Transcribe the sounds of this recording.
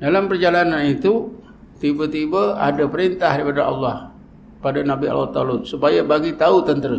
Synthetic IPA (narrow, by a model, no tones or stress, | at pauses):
dalampərd͡ʒalananit̪u | t̪ibat̪ibaa̰dapəɾint̪ahɾipadaʔɑ̰lːɑh | padanabia̰lwat̪alʊt̪̚supajabaɡit̪aut̪ənt̪əɾə